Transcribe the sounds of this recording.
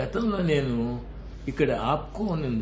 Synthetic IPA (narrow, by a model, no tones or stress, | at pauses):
ɐt̪ɐmloːne̞ːnu | ikːɐɽɐaːpkoːnːind̪